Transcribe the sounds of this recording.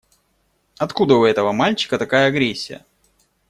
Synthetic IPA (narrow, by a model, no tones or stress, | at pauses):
ɐt̪kud̪əʊɛt̪əvəmalʲt͡ɕɪ̥kət̪ɐkajəɐɡɾʲesʲːɪjə̰